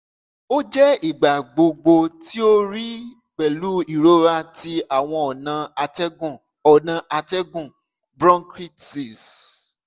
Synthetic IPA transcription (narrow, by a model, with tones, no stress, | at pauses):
o˦d͡ʒɛ˦i˦˨ɡ͡ba˨ɡ͡bo˧ɡ͡bo˧ti˦o˦ɾi˦ | k͡pɛ˨lu˦i˨ɾo˦ɾa˧ti˧a˨w̃ɔ̃˧ɔ˨nã˧tɛ˦ɡũ˦˨ | ɔ˨nã˨˧ʔa˧tɛ˦ɡũ˦˨ | bɾɔ̃˦nkɾi˦tsi˦˨s